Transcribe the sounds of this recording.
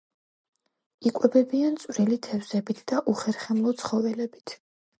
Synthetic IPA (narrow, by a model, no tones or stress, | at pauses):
ikʼwɛbɛbiant̪sʼwvɾilit̪ʰɛvzɛbit̪ʰd̪̥aʔuχɛɾχɛmlˠɔt̪sʰχɔvɛlɛbit̪ʰ